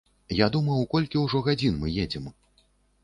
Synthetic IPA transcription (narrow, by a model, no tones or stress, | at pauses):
jad̪umɐwkɔlʲkʲiwʐɔɣad͡zʲinmɨjed͡zʲɛm